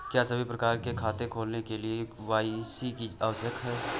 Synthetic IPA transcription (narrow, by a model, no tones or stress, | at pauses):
kjaːsɐbʱipɾɐkaːɾkekʰaːt̪ekʰoːlnekeliewaːisikiaːʋsəkɦɛː